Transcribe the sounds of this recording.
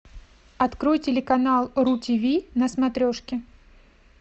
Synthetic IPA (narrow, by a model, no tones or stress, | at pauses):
ɐt̪kɾojtʲɪlʲɪkɐnalˠɾutʲivʲinɐsmɐt̪ɾʲo̞ʂkʲɪ